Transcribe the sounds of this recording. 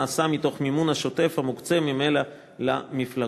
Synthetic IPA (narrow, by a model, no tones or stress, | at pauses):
asamit̪o̞χmimunaʃo̞te̞fhamukt͡se̞mime̞la | la̰mifla